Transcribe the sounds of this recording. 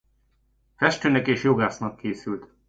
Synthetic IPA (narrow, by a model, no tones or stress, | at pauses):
fɛʃt̪øːnɛkeːʃjo̞ɡaːsnɒkːeːsylt̪